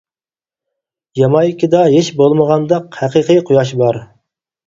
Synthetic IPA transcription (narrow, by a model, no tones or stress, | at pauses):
jɑmɑjikʲʰɪd̪ɑɦeʃbolˠməʁɑnd̪ɑqhæqəqijqʰʊjɑʃ̬bɑɾ